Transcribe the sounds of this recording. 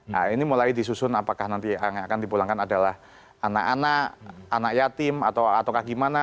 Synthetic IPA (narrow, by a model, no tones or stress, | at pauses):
a̰inimulajdis̬usʊnapakahnant̪iaakandipulaŋkanadalah | anakanaʔanakjat̪ɪmat̪awat̪awkaɡimana